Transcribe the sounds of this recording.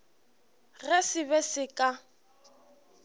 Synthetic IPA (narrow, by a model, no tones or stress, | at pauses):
resɪβɛsɪkʼa